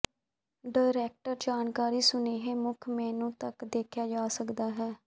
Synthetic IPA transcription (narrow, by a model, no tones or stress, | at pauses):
ɖaːɪɾɛːk̚ʈəɾd͡ʒaːnkaːɾiːsʊneːɦeːmʊkʰmɛːnũːt̪əkd̪eːkʰjaːd͡ʒaːsəkd̪aːɦɛː